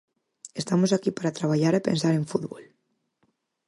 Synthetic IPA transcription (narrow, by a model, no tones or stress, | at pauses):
est̪amosakipaɾat̪ɾaβ̞aʎaɾepẽns̬aɾeɱfuðβol